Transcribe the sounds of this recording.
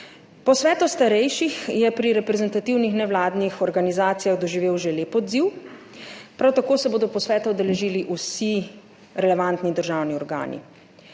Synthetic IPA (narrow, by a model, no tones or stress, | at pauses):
pɔsʋɛːt̪ust̪aɾɛjʃixjɛpɾiɾɛpɾɛzɛnt̪at̪iwnixnɛʋlaːd̪nixɔɾɡanizaːt̪sijaɣd̪ɔʒiʋeːwʒeleːpɔd̪ziw | pɾawt̪akoːsɛboːd̪ɔpɔsʋɛːt̪ɔɔd̪ɛlɛʒiːliʔusi | ɾɛlɛʋant̪nid̪əɾʒawniɔɾɡa̰ːnḭ